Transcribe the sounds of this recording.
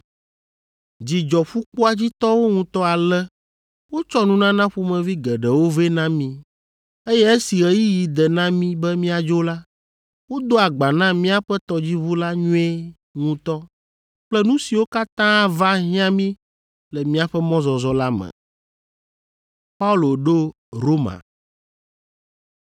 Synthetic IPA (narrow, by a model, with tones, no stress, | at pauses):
d͡ʑi˨d͡ʒɔ˨ɸu˦k͡pu˦a˦d͡ʑi˦t̪ɔ˦wo˦ŋũ˦t̪ɔ˦a˨lɛ˦ | wo˦t͡ʃɔ˦nũ˦nã˦nã˦ɸu˦mɛ̃˨vi˦ɡɛ˨ɖɛ˨wo˦ve˦nã˦mĩ˦ | e˦jɛ˦e˦si˨ɣɛ˦ji˦ji˨d̪ɛ˨nã˦mĩ˦bɛ˦mĩ˦a˨d͡ʒo˦la˦ | wo˦d̪o˦a˨ɡ͡ba˨nã˦mĩ˦a˦ɸɛ˦t̪ɔ˦d͡ʑi˦βu˦la˦ɲũ˦ɛ˦ | ŋũ˦t̪ɔ˦ | k͡plɛ˦nũ˦si˨wo˦ka˦t̪ã˦va˦ɦĩ˦ã˦mĩ˦ | lɛ˨mĩ˦a˨ɸɛ˦mɔ̃˦zɔ˨zɔ˦la˦mɛ̰˨ | pa˦u˦lo˨ɖo˦ | ɾo˦mã̰˨